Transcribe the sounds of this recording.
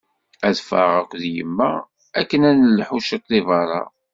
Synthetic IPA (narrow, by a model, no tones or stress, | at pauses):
æðfɑ̰ʁækʷːðjə̰mːæ̰ | ækːənænəlːħuʃət̪ˤlivɑɾˤɑ̰